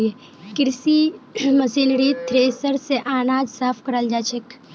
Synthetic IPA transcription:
e | kɪɾsimɐsiːnɾit̪ʰɾeːsəɾseʔaːnaːd͡ʒsaːpʰkɐɾəld͡ʒaːt͡ʃʰek

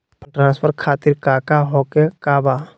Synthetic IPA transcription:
pʈɾãːnspʰəɾkʰaːt̪ɪɾkaːkaɦokekaːbaː

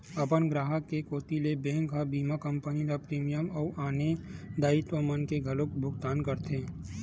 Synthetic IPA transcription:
ɐpənɡɾaːɦəkːekoːt̪ilebẽːŋkabiːmakə̃mpənilapɾiːmijəmɔːʔaːned̪aːit̪wəmənkeɡʱɐlokbʱʊɡt̪aːnkəɾt̪ʰẽː

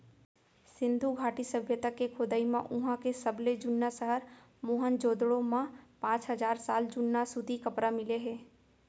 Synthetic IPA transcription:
sɪ̃nd̪ʱuɡʱaːʈisəbʱjət̪akekʰoːd̪aːimã̰ʔʊɦãkesɐbled͡ʒʊnːasəɦəɾ | moːɦənd͡ʒoːd̪ɽõmãpãːt͡ʃɦəzaːɾsaːld͡ʒʊnːasʊd̪ʱikɐpɾamɪleɦɛ̃ː

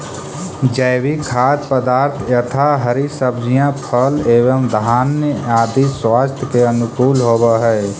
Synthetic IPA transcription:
d͡ʒəːbikʰaːt̪̚pəd̪aːɾt̪ʰjət̪ʰaɦəɾisəbd͡ʒijãpʰəleːbəmd̪ʱaːnjəaːd̪iswaːst̪ʰkeənʊkuːlɦoːbəɦɛ

